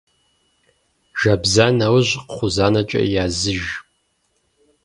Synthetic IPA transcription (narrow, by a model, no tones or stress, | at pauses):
ʒ̥ɐbzaːnɐwʑqχʷʊzaːnɐt͡ʃʼɐ̰ʔjaːzɨʒ